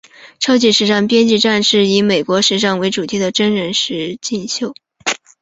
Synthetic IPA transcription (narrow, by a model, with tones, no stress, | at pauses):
ʈ͡ʂʰɑ˥ʊt͡ɕi˥˩ʂɻ̩˧˥ʂa˥˩ŋpjɛ˥nt͡ɕi˥˧ʈ͡ʂa˥˧nʂɻ̩˥˩i˧˥me˨˩ɪkwɔ˧˥ʂɻ̩˧˥ʂɑ˥˩ŋwe˧˥ɪʈ͡ʂu˨˩t̪ʰi˧˥d̪ə˨ʈ͡ʂə˥nɻə˧˥nʂɻ̩˧˥t͡ɕi˥˧nɕjo˥˩ʊ